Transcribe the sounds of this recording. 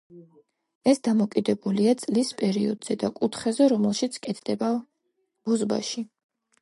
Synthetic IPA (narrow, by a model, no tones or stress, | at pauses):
ɛsd̪amɔkʼid̪ɛbuliat̪sʼlispʼɛɾiɔd̪z̥ɛd̪akʼut̪ʰχɛzɛɾɔmɛlˠʃit̪sʰkʼɛt̪ʰd̪̥ɛba | b̥ɔzba̰ʃi